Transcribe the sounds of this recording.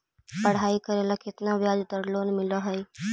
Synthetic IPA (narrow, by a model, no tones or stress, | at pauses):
pɐɽ̤aːikəɾelakɪt̪naʋjaːd͡ʒd̪əɾloːnmɪlaɦəj